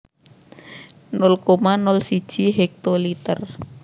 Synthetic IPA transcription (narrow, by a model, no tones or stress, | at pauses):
nɔlkomanɔlsi̥ʒ̥iɦek̚t̪olit̪ər